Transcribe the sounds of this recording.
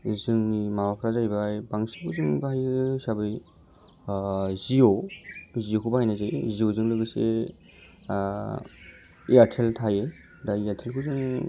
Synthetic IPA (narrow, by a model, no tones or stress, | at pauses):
zɯŋnimamapʰɾazajbajbaŋsikʰuzɯŋbaɦajsabɯj | zioziokʰubaɦajnazajziozɯŋlɯɡɯsḛ | iaɾtʰeltʰaje | daiaɾtʰelkʰɯzɯŋ